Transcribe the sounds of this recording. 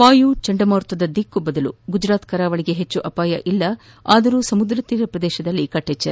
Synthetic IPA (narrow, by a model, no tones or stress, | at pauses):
paːjut͡ʃɐɳɖɐmaːɾt̪ʋɐd̪ɐd̪ikːubɐd̪ɐluɡud͡ʒɾaːt̪kɐɾaːʋɐɭiɡeɦet͡ʃːuʔɐpaːjɐ̰ʔilːɐ | aːd̪ɐɾuːsɐmud̪ɾɐt̪ːiːɾɐpɾɐd̪ɛːʃɐd̪ɐlːikɐʈːet͡ʃːɐɾ